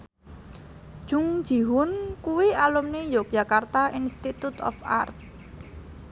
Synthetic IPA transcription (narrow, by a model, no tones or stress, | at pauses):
ʒ̥uŋ̥d͡ʒ̥i̤ɦʊnkuwialumnejok̚ʒ̥ä̤kart̪aʔinst̪it̪ut̪ɔ̰fa̰rt̪̚